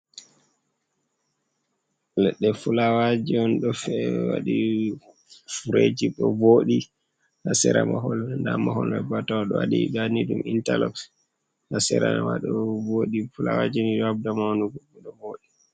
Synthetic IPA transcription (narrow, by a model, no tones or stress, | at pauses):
lɛɗːɛfulawad͡ʒiɔnɗɔfɛwa̰ɗi | fuɾed͡ʒiɗɔvoɗi | hasɛɾamaɦɔlndamaɦɔlabatawaɗɔwaɗiɗanidumintalɔks | hasɛɾanwaɗɔvoɗifulawad͡ʒiniɗɔabdamawnuɡɔbɛɗɔvoɗi